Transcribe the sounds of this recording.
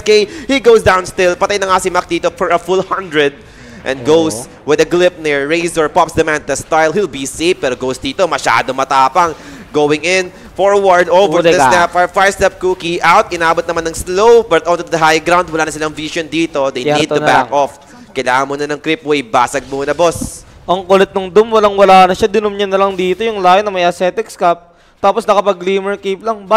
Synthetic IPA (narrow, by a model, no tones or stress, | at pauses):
kejhiɡowsd̪ãwnst̪ɪlpɐt̪ajnɐŋasɪmɐk̚d̪iːt̪ofɔɹɐfulhɐnd̪ɹɛd̪̚ | ʔɛ̰̃nɡows | wɪd̪ɐɡlɪp̚nɪɹːejsɔɹpɔpsd̪ɐmãnd̪ɐst̪ajlɦilbiseɪfpɛːɾoɡowsd̪iːt̪omɐʃa̰ːd̪omɐt̪aːpɐŋ | ɡowɪŋɪn | foɹwɐɹd̪ovɛd̪ɐsɛpfafaɹst̪ɛp̚kuːkiʔawt̪ʔɪnaːbot̪̚nɐmanːɐŋslowbɐt̪̚ʔont̪ud̪ɐɦajɡɾawnd̪̚wɐlaːnɐsɪlɐŋvisond̪iːt̪o̞d̪ejnid̪̚ʊbakʔof | kɐjlaːŋɐnmuːnɐnɐŋkɾɪp̚wejba̰ːsɐɡ̚monɐbos | ʔɐŋkʊlɛt̪̚nɐŋd̪ʊmwɐlaŋwɐlaːnɐʃad̪ɪnʊmɲɐnːɐlɐŋd̪iːt̪ojʊŋlaːjɪnɐmɐjʔɐsɛːt̪ɪkskap̚ | t̪aːposnɐkɐpɐɡliːmɛɹkip̚lɐŋba